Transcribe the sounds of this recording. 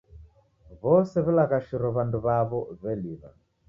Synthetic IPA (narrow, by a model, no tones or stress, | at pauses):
βɔsɛβɛlaɣaʃiɾɔβanduβaβɔβɛliβa̰